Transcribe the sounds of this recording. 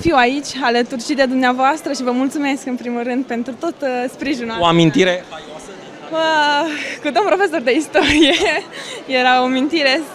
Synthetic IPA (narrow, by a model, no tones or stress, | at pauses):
fiwait͡ʃʲalət̪urt͡ʃid̪e̞d̪umneavoast̪ɾəʃivəmult̪sume̞skɨnpɾimulrɨnd̪̚pe̞nt̪ɾut̪o̞t̪spɾiʒinoamint̪iɾe̞ | ə | kud̪ompɾo̞fe̞so̞rd̪e̞ist̪o̞ɾije̞je̞ɾaomint̪iɾe̞